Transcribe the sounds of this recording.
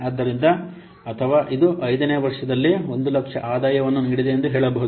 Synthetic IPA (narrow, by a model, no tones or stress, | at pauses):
aːd̪ːɐɾind̪ɐ | ɐt̪ʰɐʋaːʔid̪uʔɐjd̪ɐneːʋɐɾʂɐd̪ɐlːio̞nd̪ulɐkʂɐʔaːd̪aːjɐʋɐnːuniːɽid̪e̞ːnd̪uɦeːɭɐbɐɦud̪u